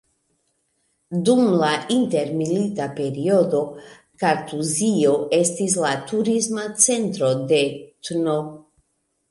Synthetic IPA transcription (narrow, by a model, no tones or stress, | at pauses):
dumlaint̪e̞ɾmilit̪ape̞ɾio̞d̪o̞ | kaɾtuzio̞e̞stis̬lat̪uɾismat͡se̞nt̪ɾo̞d̪e̞t̪no